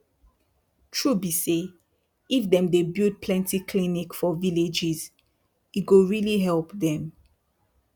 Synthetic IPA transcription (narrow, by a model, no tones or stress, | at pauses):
tʰɹubise | ifdɛ̃mdebild̚pʰlɛ̃ntikʰlinikfɔviled͡ʒiz | itɡoɹiliɦɛlpðɛ̃m